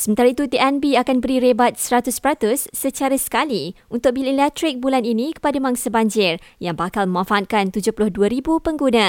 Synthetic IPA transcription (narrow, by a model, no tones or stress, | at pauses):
səmənt̪aɾit̪ut̪iʔɛnbiakanbəɾiɾebat̪̚səɾat̪ʊspəɾat̪ʊsːət͡ʃaɾasə̥kaliunt̪ʊk̚bililɛt̪ɾɪk̚bulaninĩkə̥padamaŋsabaɲd͡ʒɪrjaŋbakalmə̃mãfaːt̪̚kant̪ud͡ʒʊhpulʊhduaɾibupəŋɡunã